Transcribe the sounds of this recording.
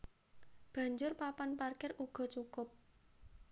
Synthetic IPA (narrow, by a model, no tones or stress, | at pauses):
b̥a̤ɲd͡ʒʊrpapanparkɪruɡ̥ɔ̤t͡ʃukʊp̚